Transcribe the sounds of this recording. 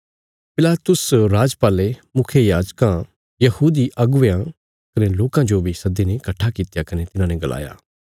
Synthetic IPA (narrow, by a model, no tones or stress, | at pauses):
pɪlaːt̪ʊsɾaːd͡ʒpaːlemʊkʰjejaːd͡ʒkã | jɐhuːd̪iʔɐɡʊʋjã | kɐneloːkãd͡ʒobʱisɐd̪inekɐʈʰːakɪt̪jakɐnet̪ɪnãːneɡɐlʔa̰ːja̰ː